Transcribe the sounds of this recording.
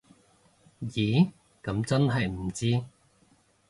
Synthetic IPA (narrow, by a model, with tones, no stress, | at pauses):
jiː˨˥ | kɐ˨˥mt͡sɐ˥nɦɐ˨jm̩˨˩t͡siː˥